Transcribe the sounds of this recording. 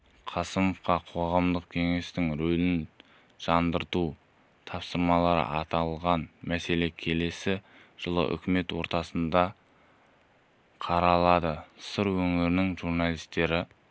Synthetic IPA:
qʰɑsəmofqɑqʰo̞ʁɑmd̪əqkʲʰe̞ŋe̞st̪ɪŋɾɵlɪn | ʒ̥ɑnd̪əɾt̪u | t̪ʰɑpsəɾmɑlˠɑɾə̰ʔɑt̪ɑlˠʁɑnmæse̞le̞kʲʰe̞le̞sɪʒ̥əlˠə̰ʔʏ̰kʲɪme̞t̪wo̞ɾt̪ɑsənd̪ɑ | qʰɑɾɑlˠɑd̪əsəɾwɵŋɪɾɪnɪŋʒuɾnɑlˠijst̪e̞ɾɪ

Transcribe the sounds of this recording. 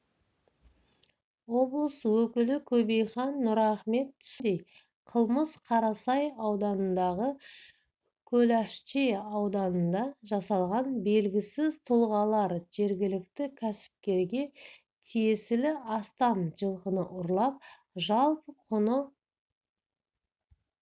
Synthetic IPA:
wo̞blˠəswɵkʲɪlɪkʲʰɵbe̞jχɑnːʊɾɑχme̞t̪ːʰʏ̥sd̪ej | qʰəlˠməsqʰɑɾɑsɑjɑwd̪ɑnənd̪ɑʁə | kʲʰɵlæʃteɑwd̪ɑnənd̪ɑʒɑsɑlˠʁɑnbe̞lɡʲɪsɪzt̪ʰʊlˠʁɑlˠɑɾʒe̞ɾɡʲɪlɪkt̪ɪkʲʰæsɪ̥p̚kʲe̞ɾɡʲe̞ | t̪ʰijesɪlɪɑst̪ɑmʒəlˠqənəʔʊɾlˠɑp̚ | ʒɑlˠpəqʰʊnə

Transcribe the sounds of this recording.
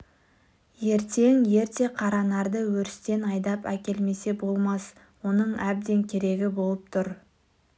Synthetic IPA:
je̞ɾt̪e̞ŋje̞ɾt̪e̞qʰɑɾɑnɑɾd̪əwɵɾɪst̪e̞nɑjd̪ɑpækʲe̞lme̞se̞bo̞lˠmɑs | wo̞nəɴæb̚d̪e̞ŋkʲʰe̞ɾe̞ɡʲɪbo̞lˠəp̚t̪ʰʊɾ

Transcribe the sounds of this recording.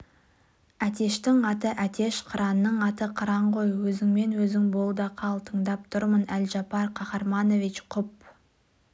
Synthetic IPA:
æt̪e̞ʃt̪ɪŋɑt̪əʔæt̪e̞ʃqʰəɾɑnːəɴɑt̪əqʰəɾɑɴqo̞jwɵzɪŋme̞nwɵzɪŋbolˠd̪ɑqʰɑlˠt̪ʰəɴd̪ɑp̚t̪ʰʊɾmənælʒɑpɑɾqʰɑχɑɾmɑno̞vit͡ʃqʰʊp̚

